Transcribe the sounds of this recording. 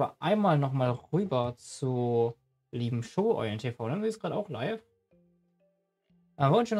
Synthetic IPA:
ɐ̰ʔaɪnmaːlnɔχmaːlʁyːbɐt͡su | liːbm̩ʃoːʔɔ̰ɪəntʰefaʊnɛmziːsɡ̥ʁaːɾəaʊxla̰ɪf | ʔavɔɪnʃøn

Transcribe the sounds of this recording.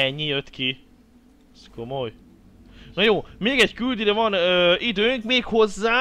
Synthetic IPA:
ɛɲːijøt̪ki | skʰo̞moj | nojoːmeːɡɛɟkyld̪iɾɛvɒnøːid̪øːŋkmeːkho̞zːaː

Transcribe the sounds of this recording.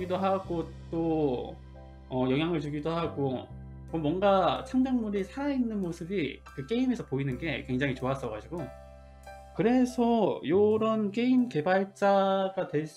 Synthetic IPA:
ɡidoɦaɡot͈o | ʌjʌŋɦjaŋɯɭt͡ɕuɡidoɦaɡo | mʌmwʌŋɡat͡ɕʰaŋd͡ʑaŋmuɾisʰaɾainːɯnmosʰɯbikɯk͈e̞ime̞sʰʌpoinɯnɡe̞kwe̞ŋd͡ʑaŋit͡ɕoas͈ʌɡad͡ʑiɡo | kɯɾe̞sʰʌjoɾʌnk͈e̞imke̞baɭt͡ɕ͈aɡatwe̞ɭs͈

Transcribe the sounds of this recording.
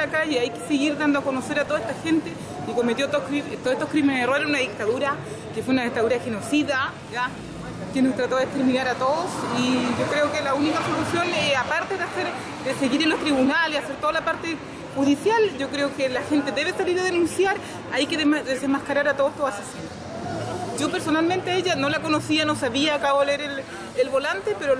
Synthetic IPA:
akaʝeajkeseɣiɾðand̪oako̞nose̞ɾat̪oðaest̪axe̞nt̪e | iko̞met̪jot̪okɾiet̪oet̪ohkɾimeneðerelenunaðik̚t̪aðuɾa | kefweunaðik̚t̪aðuɾaxenosiða | ʝa | t̪jenet̪ɾat̪oðest̪ɾiminaɾat̪oðosiʝokɾeokelaunikasolusjo̞napaɾt̪eðeaseɾ | d̪ese̞ɣiɾenlːost̪ɾiβunaleaseɾt̪oðalapaɾt̪e | xuðisjalɟ͡ʝo̞kɾeokelaxent̪e̞ðe̞βesaliɾaðenunsjaɾ | ajkeðemaðesemahkaɾaɾat̪oðost̪oasasin | ɟ͡ʝo̞pe̞ɾso̞nalment̪eeʝano̞lako̞nosiano̞saβiakaβoleeɾel | elβo̞lant̪epeɾo

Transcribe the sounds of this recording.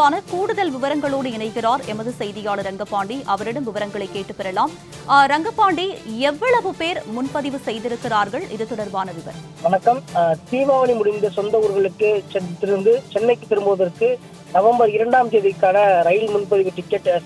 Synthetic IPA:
aːnɐkuːɽɯðɐlʋɪʋɐɾɐŋɡɐɭoːɽɯɪnɐɪkːɪraːɾɛ̰nbɐðɯsɛjðɪjaːɭɯɾɐŋɡɐpːaːɳɖiʔɐʋɐɾɪɽɐmʋɪʋɐɾɐŋɡɐɭɐɪkːeːʈːɯpːɐɾɐlaːm | ɾɐŋɡɐpːaːɳɖiɛʋːɐɭɐʋɯpeːɾmʊnpɐðɪʋɯsɛjðɪɾɯkːɪraːɾɣɐɭʔɪðɯt̪ːɔɽɐɾbaːnɐʋɪʋɐ̰ɾ | ʋɐnɐkːɐmt̪iːʋaːʋɐnimʊɽɪnd̪ɐsɔnd̪ɐuːɾɣɐɭɯkːɯt͡ʃɛnt̪ɪɾɯnd̪ɯt͡ʃɛnːɐɪkːɯt̪ːɛɾɯmbɯʋɐðɐɾkːɯ | nɐʋɐmbɐɾɪɾɐɳɖaːmt̪eːðɪkːaːnɐɾɐjɪlmʊnpɐðɪʋɯʈɪkːɛʈː

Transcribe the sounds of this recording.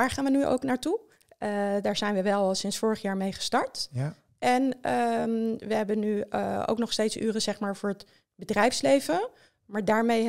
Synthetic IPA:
aːɹχaːnʋənyʔo̰wknaːɹtu | daːɹzɛjnʋəʋɛlˠsɪnsfʊːɹəχjaːɹmejχə̥stɑɹt | ʔɛnəʋəɦɛbənyo̰wknɔχstejtsy̰ːrəzɛχmaːɹvʊːɹɦət | bədrɛjfslejvə | maːɹdaːɹmej

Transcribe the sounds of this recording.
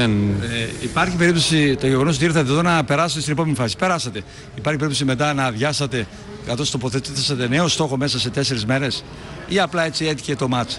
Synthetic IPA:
eneipɐɾçipe̞ɾipt̪o̞sit̪oʝeɣonot̪iɾθɐðiðonɐpe̞ɾɐsɐt̪st̪inepomenifɐsi̥pe̞ɾɐsɐt̪e̞ | ipɐɾçipeipt̪osime̞t̪̬ɐnɐðʝɐsɐt̪e̞ | kɐθo̞st̪o̞po̞θet̪isɐt̪e̞ne̞ost̪o̞xo̞me̞sɐse̞t̪e̞se̞ɾezme̞ɾe̞s | iɐplɐe̞t͡sie̞t̪i̥çe̞t̪o̞mɐt͡s

